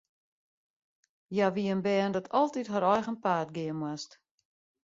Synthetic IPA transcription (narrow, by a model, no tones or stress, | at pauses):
jaʋiənbɛːndɔtʰɔlˠtitɦaɾɔjxənpaːtɡɪənmwast